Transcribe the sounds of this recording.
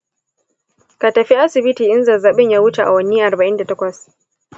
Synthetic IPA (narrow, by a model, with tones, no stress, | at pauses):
ka˨tɐ˨ɸi˦ʔa˦sɪ˨bɪ˦tiː˨ʔɪ˦nzɐ˨za˨ɓɪ˦ɲja˦wʊ˦t͡ʃe˨ʔa̰˨wɐ˦ni˦ʔa˨rba˨ʔɪ˦nda˨tɐ˦kʷɐ˨s